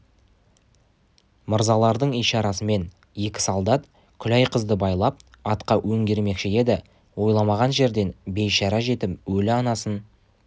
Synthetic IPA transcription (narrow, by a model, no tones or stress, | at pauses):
məɾzɑlˠɑɾd̪əɴijʃɑɾɑsəme̞n | je̞kʲɪ̥sɑlˠd̪ɑt̪ | kʲʰʏlæjqʰəzd̪əbɑjlˠɑp̚ | ɑt̪qɑwɵŋɡʲe̞ɾme̞kʃɪe̞d̪ɪ | wo̞jlˠɑmɑʁɑnʒe̞ɾd̪e̞nbe̞jʃɑɾɑʒe̞t̪ɪpwɵlɪɑnɑsən